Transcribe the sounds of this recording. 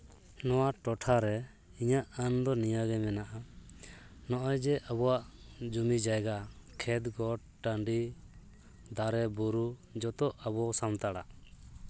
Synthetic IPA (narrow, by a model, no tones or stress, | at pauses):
nɔwaʈɔʈʰaɾɛ | iɲaʔand̪ɔnijaɡɛmɛnaʔa | nɔʔɔjd͡ʒɛʔabɔwaʔd͡ʒumid͡ʒajɡakʰɛt̪ɡɔ | ʈaɳɖi | d̪aɾɛbuɾud͡ʒɔt̪ɔʔabɔsamt̪aɽa̰